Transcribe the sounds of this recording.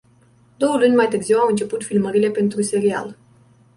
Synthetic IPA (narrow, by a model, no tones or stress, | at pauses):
d̪̥o̞wəlunʲmajt̪ɨrziwawɨnt͡ʃe̞put̪filməɾile̞pe̞nt̪ɾuse̞ɾia̰l